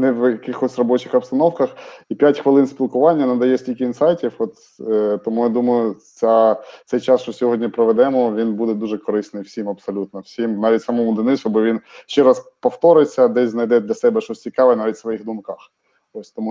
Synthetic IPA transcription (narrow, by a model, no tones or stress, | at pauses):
nɛʋjɐkɪxɔsʲrɔbɔt͡ʃɪxɐpst̪ɐnɔwkɐxipʲjatʲxʋɪlˠɪnsʲpʲilˠkʊʋɑnʲːɐnɐd̪ɐjɛsʲtʲilʲkɪinsɑjtʲiwɔt̪ | t̪ɔmujad̪umɐjʊt͡sʲat̪sɛjt͡ʃɑsʃt͡ʃɔsʲɔɦɔdʲnʲipɾɔʋɛd̪ɛmɔʋʲinbud̪ɛd̪uʒɛkɔɾɪsnɪjwsʲimɐpsɔlʲut̪nɔwsʲimnɑʋʲitʲsɐmɔmʊd̪ɪnɪsʲɐbɪʋʲinʃt͡ʃɛɾɑspɔft̪ɔɾɪt͡sʲːɐd̪ɛsʲznɐjd̪ɛd̪lʲɐsɛbɛʃɔsʲt͡sʲikɑʋɛnɑʋʲitʲsʋɔjixd̪ʊmkɑx | t̪ɔsʲt̪ɔmu